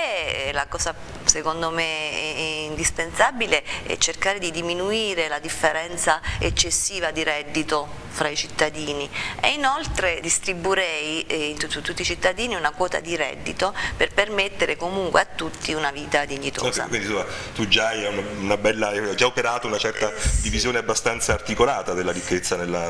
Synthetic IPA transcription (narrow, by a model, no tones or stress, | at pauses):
ɛlakɔːza | sekond̪ome | ind̪ispensabileɛ̰t͡ʃːerkaːɾed̪id̪iminuiːɾelad̪ifːeɾɛnt̪saet͡ʃːesːiːvad̪iɾɛd̪ːit̪o | fɾait͡ʃit̪ːad̪iːniḛinolt̪ɾed̪ist̪ɾibuɾɛjint̪uut̪ːut̪ːit͡ʃit̪ːad̪iːniunakwɔːt̪a̰d̪iɾɛ̰d̪ːit̪operpermet̪ːeɾekomuŋkweat̪ːut̪ːiunaviːt̪ad̪iɲːit̪o̰kza̰kwind̪isomːat̪ud͡ʒajaunaunabɛlːaɛad͡ʒaopeɾaːt̪ounat͡ʃɛrt̪ad̪ivizjoːneabːast̪ant̪saːrt̪ikolaːt̪ad̪elːaɾikːet̪sːanelːa